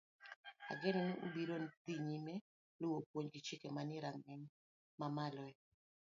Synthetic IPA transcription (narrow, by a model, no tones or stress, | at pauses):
a̰ɡɛnɔnɪʔubiɾont̪iɲimɛ | lʊwopwoɲɡɪt͡ʃɪkemanɪɾaŋɛɲ | mamalɔɛ